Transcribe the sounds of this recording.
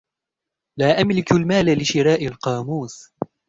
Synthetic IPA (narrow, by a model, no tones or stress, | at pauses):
laːʔamlɪkalmaːlalɪʃɪɾaːʔalqɑːmuːs